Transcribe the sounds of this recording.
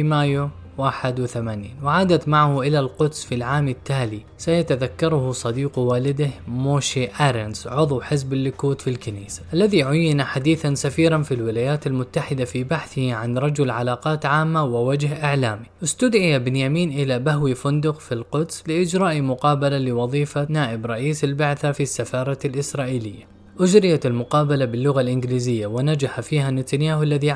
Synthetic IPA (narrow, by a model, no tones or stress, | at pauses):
imaːjo | waːħɪd̪wɪθamaːniːnwɪʕaːd̪at̪maʕahʊʔɪlalqʊd̪sfilʕaːmɪt̪ːaːli | sajat̪aðakːɑɾˤʊhʊsˤɑd̪iːqwaːlɪd̪ɪhmoːʃiʔaːɾˤɪnsʕʊðˤwħɪzbɪlːʊkuːt̪filkaniːsḁʔalːaðiʕʊjːɪnaħad̪iːθansafiːɾˤanfilwɪlaːjaːt̪almʊt̪ːaħɪd̪afibaħθɪhiʕanɾˤɑd͡ʒʊlʕalaːqɑːt̪ʕaːmːawɪwad͡ʒhʔɪʕlaːmiʔɪst̪ʊd̪ʕɪjabɪnjamiːnʔɪlabahwifʊnd̪ʊqfilqʊd̪slɪʔɪd͡ʒɾˤɑːʔimʊqɑːbalalɪwɑðˤiːfanaːʔɪbɾˤɑʔiːsɪlbaʕθafisːafɑːɾˤɑlʔɪsɾˤɑːʔiːlɪjːa | ʔʊd͡ʒɾɪjaɪlmʊqɑːbalabɪlːʊɣalʔɪnɡliːzɪjːawɪnad͡ʒaħafiːhanːɪt̪anjaːhlːaði